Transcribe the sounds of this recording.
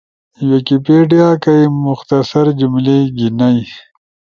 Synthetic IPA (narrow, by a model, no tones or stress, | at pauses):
wekipeːɖijaːkajmʊxt̪ɐsɐɾd͡ʒumleɡinaj